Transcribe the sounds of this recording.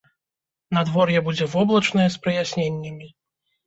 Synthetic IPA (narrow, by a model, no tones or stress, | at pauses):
nɐd̪vɔrjɛbud͡zʲɛvɔblˠɐt͡ʂnɐjɛspɾɨjasʲnʲenʲːɐmʲi